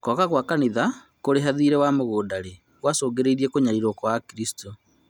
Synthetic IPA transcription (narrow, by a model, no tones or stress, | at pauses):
kɔkaɣwakaniða | koɾeɦaðiːɾɛwamoɣoːdaɾe | ɣwasoːɡeɾeiɾiɛkoɲaiɾokwakiɾisi̥to